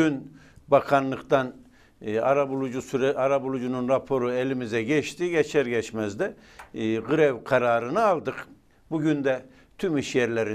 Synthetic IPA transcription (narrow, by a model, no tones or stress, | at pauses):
yn | bakʰanlˠɯkt̪ʰan | aɾabulˠud͡ʒusyɾɛʔaɾabulˠud͡ʒununɾapʰo̞ɾuelʲimizɛɟɛt͡ʃt̪ʰiɟɛt͡ʃʰɛɾɟɛt͡ʃmɛzd̪ɛ | ɡɯɾɛvkʰaɾaːɾɯnɯalˠd̪ɯk | buɟynd̪ɛ | t̪ʰymiʃjɛɾlʲeɾi